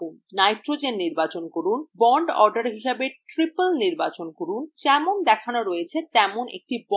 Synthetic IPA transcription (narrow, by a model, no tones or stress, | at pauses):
najʈɾod͡ʑenːiɾbat͡ɕonkoɾunbɔɳɖɔɾɖaɾɦiʃabeʈɾipəlniɾbat͡ɕonkoɾunt͡ɕɛmond̪ɛkʰanoɾojet͡ɕʰet̪ɛmonḛk̚ʈib